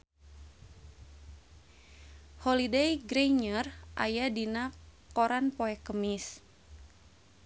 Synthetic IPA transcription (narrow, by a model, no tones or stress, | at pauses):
hɔlidejɡɾeɲərʔa̰jadinakɔɾanpɔɛkəmis